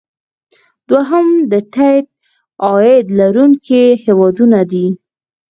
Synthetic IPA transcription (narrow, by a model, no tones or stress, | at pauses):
d̪waɦamd̪əʈajt̪̚ | ɑjɪd̪laɾuŋkihewɑd̪unad̪i